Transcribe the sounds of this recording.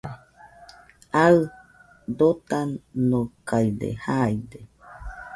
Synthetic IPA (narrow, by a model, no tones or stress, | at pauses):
aɨ | d̪ot̪anokajdḛhajde